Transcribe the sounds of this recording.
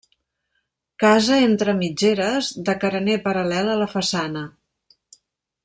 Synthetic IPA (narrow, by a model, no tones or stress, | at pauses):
kazəent̪ɾəmid͡ʒeɾəzðəkəɾənepəɾəlɛlələfəsanə